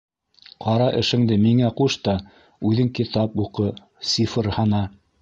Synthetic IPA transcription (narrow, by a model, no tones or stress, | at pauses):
qɑɾɑʔɘ̆ʃɘ̆ŋd̪ɘmiŋæquʃt̪ɑ | ʉðɘŋkit̪ɑpuqɤ | sʲifɤɾhɑnɑ